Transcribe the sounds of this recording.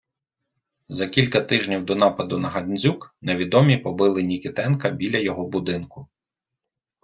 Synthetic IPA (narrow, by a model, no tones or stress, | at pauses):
zɐkʲilʲkɐt̪ɪʒnʲiwd̪ɔnɑpɐd̪ʊnɐɦɐd̪ʲnʲzʲukneʋʲid̪ɔmʲipɔbɪlˠɪnʲikʲɪt̪ɛnkɐbʲilʲɐjɔɦɔbʊd̪ɪnkʊ